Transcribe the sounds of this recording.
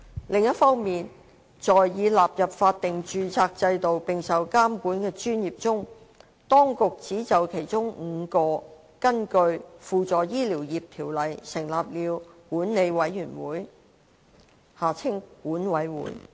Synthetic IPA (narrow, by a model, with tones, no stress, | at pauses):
lɪ˨ŋjɐ˥t̚fɔː˥ŋmiː˨n | t͡sɔː˨jːiː˨˧laː˨p̚jɐ˨p̚faː˧t̚t̪ːɪ˨ŋt͡ʃyː˨˧t͡sʰaː˧k̚t͡sɐ˧jt̪o˨wpɪ˨ŋsɐ˨wkaː˥mkuː˨˥nkɛː˧t͡ʃyː˥njiː˨p̚t͡sʊ˥ŋ | t̪ɔː˥ŋkʊ˨k̚t͡siː˨˥t͡sɐ˨wkʰe˨˩jt͡sʊ˥ŋŋ̩˨˧kɔː˧ | kɐ˥nkɵ˧ɥfuː˨t͡sɔː˨jjiː˥liː˨˩wjiː˨˩p̚t̪ʰiː˨˩wlɐ˨jsɪ˨˩ŋlaː˨p̚liː˨˧wkuː˨˥nne˨˧jwɐ˨˥jːyː˨˩nwṵː˨˥j | haː˨t͡sʰɪ˥ŋkuː˨˥nwɐ˨˥jwṵː˨˥j